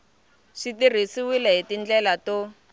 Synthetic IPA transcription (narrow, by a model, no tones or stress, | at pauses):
ʂitir̤isiwilaɦitind͡ɮɛlato